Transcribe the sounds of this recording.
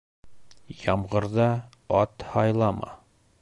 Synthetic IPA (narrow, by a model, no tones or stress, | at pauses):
jɒmʁɤ̆ɾðɑ | ɒt̪hɒjlˠɑmɑ̰